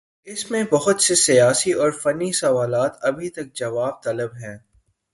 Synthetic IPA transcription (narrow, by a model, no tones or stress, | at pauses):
ɪsmẽbɐɦʊt̪sesijaːsiɔːɾfɐnːisɐʋaːlaːt̪ɐbʱit̪ɐk̚d͡ʒɐʋaːb̚t̪ɐləbɦɛ̃ː